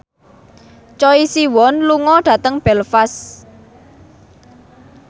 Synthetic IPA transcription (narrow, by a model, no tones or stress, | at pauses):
t͡ʃɔisiwɔnluŋɔɖ̥ä̤t̪əŋb̥ɛlfas